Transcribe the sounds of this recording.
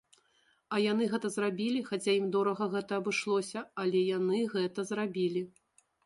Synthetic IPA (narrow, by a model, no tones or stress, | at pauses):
ɐjan̪ɨɣɛt̪ɐzrabʲilʲixat͡sʲaimd̪ɔɾɐɣɐɣɛt̪ɐːbɨʂlˠɔsʲɐɐlʲɛjanɨɣɛt̪ɐzrabʲilʲi